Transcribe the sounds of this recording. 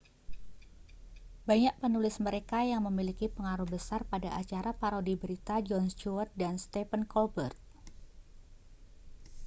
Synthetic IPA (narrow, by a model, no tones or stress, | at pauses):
baɲaʔ̚pənulɪsməɾekajaŋməmilikipəŋaɾuhbəsarpadaʔat͡ʃaɾapaɾodibəɾit̪ad͡ʒɔnst͡ʃuat̪̚danst̪ɛfənkɔlbərt̪̚